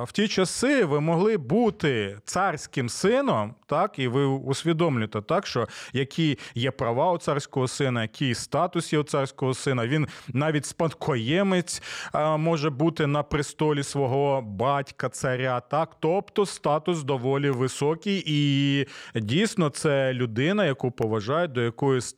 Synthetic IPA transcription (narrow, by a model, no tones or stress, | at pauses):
w̥tʲit͡ʃɐsɪʋɪmɔɦlˠɪbut̪ɪt̪sɑrʲsʲkɪmsɪnɔmt̪ɑkiʋɪusʲʋʲid̪ɔmlʲʊt̪ɛt̪ɑkʃt͡ʃɔjɐkʲʰijjɛpɾɐʋɑʊt̪sɑrsʲkɔɦɔsɪnɐjɐkʲʰijst̪ɑt̪ʊsjɛʊt̪sɑrsʲkɔɦɔsɪnɐʋʲinnɑʋʲitʲspɐnkʰɔjɛmɪt͡sʲmɔʒɛbut̪ɪnɐpɾɪst̪ɔlʲisʋɔɦɔbɑtʲkɐt̪sɐɾʲat̪ɑkt̪ɔpt̪ɔst̪ɑt̪ʊsd̪ɔʋɔlʲiʋɪsɔkʲijʔi | dʲijsʲnɔt̪sɛlʲʊd̪ɪnɐjɐkupɔʋɐʒɑjɛd̪ɔjɐkɔjʊs